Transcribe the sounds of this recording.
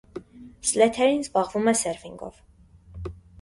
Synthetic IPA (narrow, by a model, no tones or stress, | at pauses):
slɛt̪ʰɛɾinzbɑʁvumɛsɛɾviŋɡɔ̰v̥